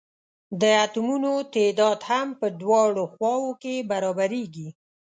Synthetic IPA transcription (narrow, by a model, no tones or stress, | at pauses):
d̪əat̪umunot̪ed̪ɑd̪hampəd̪wɑɽoxwɑwokebaɾɑbaɾeɡi